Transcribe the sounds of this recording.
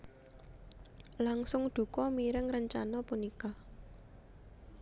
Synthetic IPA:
laŋsʊŋɖ̪̥ṳkɔmiɾɪŋrəɲt͡ʃanɔpunika

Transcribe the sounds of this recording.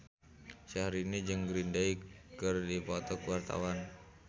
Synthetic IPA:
ʃaɾinid͡ʒɨŋɡɾindaikɨrdipɔt̪ɔkəwart̪a̰wan

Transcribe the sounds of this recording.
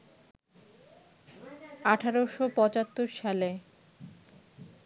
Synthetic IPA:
aʈʰaɾoʃopɔt͡ɕat̪ːoɾʃale

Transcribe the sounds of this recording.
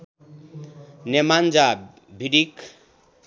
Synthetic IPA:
nemand͡za | bʱiɽik

